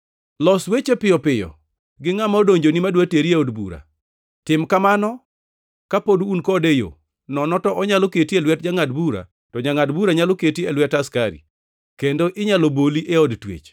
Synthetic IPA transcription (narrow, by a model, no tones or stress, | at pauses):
lɔswet͡ʃepɪjɔpɪjɔ̰ | ɡɪŋamodoɲd͡ʒonimadwateɾieɔdbṵɾa̰ | tɪmkamanɔ | kapodunkɔdejo̰ | nɔnɔtɔʔɔɲaloketielwɛtd͡ʒaŋadbuɾa̰ | tɔɲaŋadbuɾaɲaloketielwɛtaskaɾḭ | kendoʔɪɲaloboliʔeɔdtwḛt͡ʃ